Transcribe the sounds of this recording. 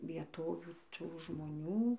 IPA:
ʋʲiɛˈtoːʋʲuː ˈtuː ʒmoːˈnʲuː

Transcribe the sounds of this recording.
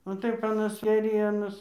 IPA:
oː ˈtɐɪp ɐˈnɐs eːˈrʲiɛnoːs

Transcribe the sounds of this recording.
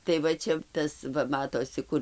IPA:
tɐɪ ˈʋɐ t͡ʃʲɛ ˈtɐs ˈʋɐ ˈmɑːtoːsʲɪ ˈkʊrʲ

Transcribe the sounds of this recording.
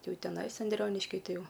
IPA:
ˈjɛʊ tʲɛˈnɐɪs ɐnʲˈdʲrʲoːnʲɪʃʲkʲɪ ˈtɐɪ ˈjɛʊ

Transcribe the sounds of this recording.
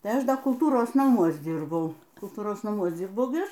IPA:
ˈtɐɪ ˈɐʃ ˈdɐ kʊlˠˈtuːroːs nɐˈmuɔs ˈdʲiːrbɐʊ kʊlˠˈtuːroːs nɐˈmuɔs ˈd͡zʲiːrbɐʊ ɡʲɪ ˈɐʃ

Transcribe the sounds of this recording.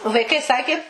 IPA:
ʋɐɪˈkɐɪ ˈsɑːkʲɪ

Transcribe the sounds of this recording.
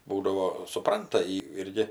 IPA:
ˈbuːdɐʋoː sʊˈprɐntɐ jɪ ˈɪrʲɡʲɪ

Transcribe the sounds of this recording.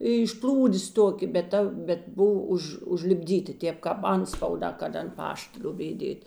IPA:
ɪʃ ˈplˠuːdʲeːs ˈtoːkʲeː bʲɛt ˈtɐ bʲɛt ˈbʊw ˈʊʃ ʊʒʲlʲɪbʲˈdʲiːtʲɪ ˈtʲeːp kɑːp ˈɐntspɐʊˌdɑː kɐt ɐnt ˈpɐʃt ˈlʲoːbʲeːj ˈdʲeːtʲ

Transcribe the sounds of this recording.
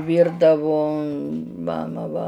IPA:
ˈʋʲiːrdɐʋoː ˈmɑːmɐ ʋɐ

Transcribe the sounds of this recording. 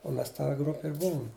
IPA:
ʊ ˈmʲɛs tɐ ˈɡrʊpʲɪ ɪr ˈbʊʊm

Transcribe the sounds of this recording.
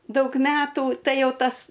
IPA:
ˈdɐʊk ˈmʲæːtuː ˈtɐɪ ˈjɛʊ ˈtɐs

